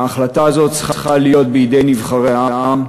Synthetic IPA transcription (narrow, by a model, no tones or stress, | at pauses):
aːχlataːzo̞tt͡sχχalijo̞t̪̚beid̪e̞jnivχaʁeaaam